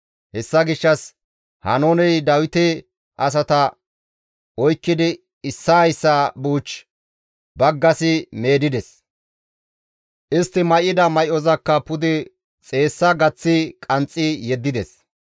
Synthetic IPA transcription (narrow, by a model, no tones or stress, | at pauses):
hɛsːɐɡɪʃːɐs | hɐ̰nonɛjd̪ɐwɪt̪ɛ | ʔɐs̬ɐt̪ɐ | ɔjkːɪd̪ɪ | ɪsːɐjsːabuːt͡ʃː | bɐɡːɐsɪme̞ːd̪ɪd̪ɛs | ʔɪst̪ːɪmɐjɪd̪ɐmɐjɔzɐkːɐpʊd̪ɪ | t͡sʼe̞ːsːɐɡɐt͡sːɪkʼɐnt͡sʼːɪjɛd̪ːɪd̪ɛs